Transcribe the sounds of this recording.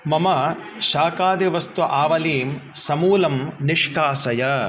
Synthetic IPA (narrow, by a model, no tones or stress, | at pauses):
mɐmɐ | ʃaːkaːd̪iʋɐst̪uʔaːʋɐliːmsɐmuːlɐmniʂkaːsɐjɐ